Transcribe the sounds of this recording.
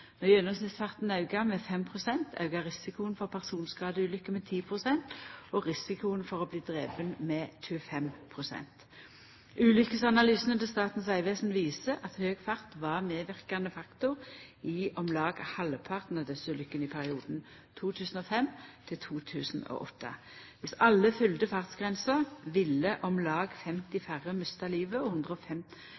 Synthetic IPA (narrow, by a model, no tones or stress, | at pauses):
nɔʁjœnɔmsnɪt̪sfɑʁt̪nɑʉɡɑmɛfɛmpʰʁʊsɛnt̪ʰɑ̰ʉɡɑʁɪsɪkʊənfɔʁpʰæʁsuːnskɑːd̪əʉːlʏkːəmɛt̪ʰiːpʰʁʊsɛnt̪ɔʁɪsɪkʊənfɔʁɔbliːd̪ʁeːbənmɛtʉəfɛmpʰʁʊsɛ̰nt̪ | ʔʉːlʏkəsɑnɑlyːsənət̪ɛst̪ɑːt̪nsæɪʋeːsnʋiːsəʔɑt̪høːɡfɑʁt̪ʋɑʁmeːʋɪʁkɑnəfɑkt̪ʊɪʔɔmlɑːɡhɑləpʰɑʁt̪nɑd̪ɛsəlʏkːənɪpʰæʁɪuːd̪n̩ | t̪ʰuːt̪ʰʉːsn̩ɔːfɛmt̪ʰɪlt̪ʰuːt̪ʰʉːsn̩o̰ːʔɔt̪ʰːə̰ | ʋɪsɑlːəfʏld̪əfɑʁt̪sɡʁɛnsəʁʋɪlːəʔɔmlɑːɡfɛmt̪ɪfæʁəmœst̪ɑliːʋəɔhʊnd̪ʁəɔfɛm